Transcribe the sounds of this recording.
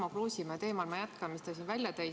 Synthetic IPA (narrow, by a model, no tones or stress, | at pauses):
mɑkluːsimɑt̪e̞ːmɑlmɑjæt̪kɑmist̪ɑs̬evælʲjɑt̪æj